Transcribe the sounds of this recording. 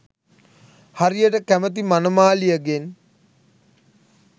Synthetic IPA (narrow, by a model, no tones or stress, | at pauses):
haɾijəʈəkæmət̪̬imanəmaːlijəɡen